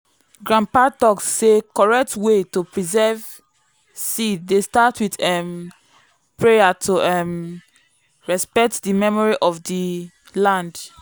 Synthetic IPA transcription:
ɡɹãmpatɔksːekɔɹɛk̚twetopɹizɛv | sidestatʰwitɛm | pɹejatʰoʔɛm | ɹɛspɛk̚tdimɛmɔɹiʔɔfdi | lãnd

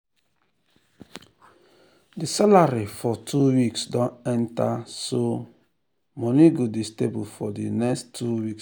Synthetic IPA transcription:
disalaɾifɔtʰuwiksdɔ̃nɛntaso | mɔniɡodestebufɔdinɛkstʰːuwiks

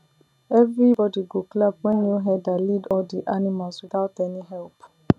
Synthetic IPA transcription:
ɛvɾibɔdiɡoklab̚wɛ̃nĩoɦɛdalidɔdiʔanĩmalswit̪atɛnĩɦɛlp

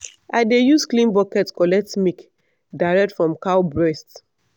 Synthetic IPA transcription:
ʔaɪdejusklĩnbɔkɛtkɔlɛk̚tmik | daɪɹɛk̚tfɹɔ̃mkaʊbɹɛst

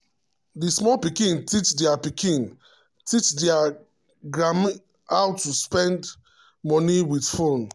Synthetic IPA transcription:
dismɔlpikĩntit͡ʃdɛapikĩn | tit͡ʃdɛa | ɡɹam | awtuspɛ̃nd | mɔniwidfõn

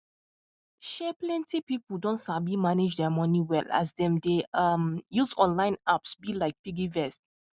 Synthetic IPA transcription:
ʃɛplɛ̃ntipipəldõntsablimaned͡ʒdɛmɔ̃niwɛla̰sdɛ̃mdeʌmjuzɔ̃nlãɪ̃napsbilaɪk̚biɡivɛst̚

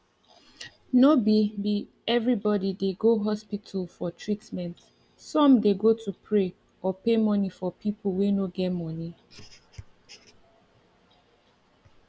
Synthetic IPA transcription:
nobibi | ɛvɹibɔdideɡoɦɔspitʰəlfɔtʰɹitmɛ̃nt | sɔ̃mdeɡotʰupʰɹe | ɔpemɔnifɔpʰip̩ʰˠwenoɡɛtmɔni

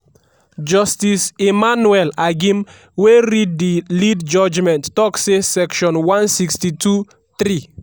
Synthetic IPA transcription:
d͡ʒɔstisemanuɛlaɡĩm | weɾid̚dilidd͡ʒɔd͡ʒmɛ̃ntːɔksesɛkʃɔ̃nwãnsikstitʰu | θɾi

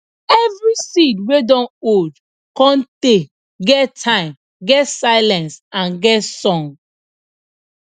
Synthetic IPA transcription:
ɛvɹisidwedɔ̃nod | kɔ̃nte | ɡɛttʰãɪ̃m | ɡɛtsaɪlɛ̃nsãnɡɛtsɔ̃ŋ

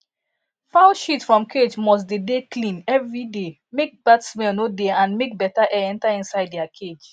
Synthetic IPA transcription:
faʊʃitfɹɔ̃mkʰed͡ʒmɔs̬dedeklĩnɛvɹide | mek̚b̥atsmɛ̃nodeãnmek̚bɛtaʔɛɛ̃ntaĩnsaɪddɛakʰed͡ʒ

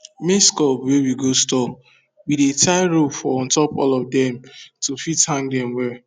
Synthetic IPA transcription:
meskɔpwewiɡostɔp | widetʰaɪɹofɔɔ̃ntɔpɔ̰lɔfdɛ̃mtufithãŋɡdɛ̃mwɛ

